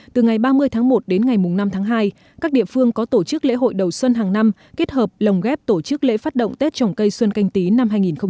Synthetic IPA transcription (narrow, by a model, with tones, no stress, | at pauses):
t̪ɨ˨˩ŋa˨˩jɓaː˧mɨ˧əjt̪ʰaː˨˦ŋmo˨˩t̚ɗe˨˦nŋa˨˩jmʊ˨˩ŋ͡mna˧mt̪ʰaː˨˦ŋɦaː˧j | kaː˦˥k̚ɗḭ˧˨əfɨ˧əŋkɔ˨˦t̪o˧˩t͡ɕɨ˦˥k̚lḛ˧˥ɦo̰˧˨jɗə˨˩wswə˧nɦaː˨˩ŋna˧m | ke˦˥t̚həː˨˩p̚lə˨˩wŋ͡mɣɛ˦˥p̚t̪o˧˩t͡ɕɨ˦˥k̚lḛ˧˥faː˦˥t̚ɗə̰˧˨wŋ͡mt̪e˦˥t̚t͡ɕɔ˨˩wŋ͡mkə˧jswə˧nka˧jŋ̟t̪i˨˦na˧mhɦaː˧jŋi˨˩nxə˧ŋ͡m